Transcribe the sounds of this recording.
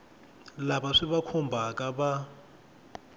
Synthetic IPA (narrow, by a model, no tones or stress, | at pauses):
labaʂiβakʰɔmbʱakʼaba